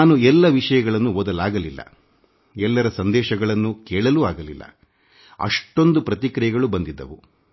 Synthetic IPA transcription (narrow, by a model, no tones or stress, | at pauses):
aːnuɛlːɐʋiʂɐjɐɡɐɭɐnːumɔd̪ɐlaːɡɐlilːɐ̰ | ɛlːɐɾɐsɐnd̪ɛːʃɐɡɐɭɐnːukɛːɭɐluaːɡɐlḭlːɐ̰ | ɐ̰ʂʈo̞nd̪upɾɐt̪ikɾɐjɐɡɐɭubɐnd̪id̪ːɐ̰ʋu